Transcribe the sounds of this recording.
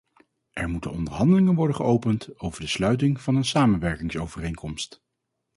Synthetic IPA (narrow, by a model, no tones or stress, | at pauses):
ʔɛɹmutənɔndəɹɦɑndəlɪŋənʋɔɹdəχəʔowpəntowvəɹdəslœɥt̬ɪŋv̥ɑnənsaːmənʋɛɹkɪŋsowvərejŋkɔmst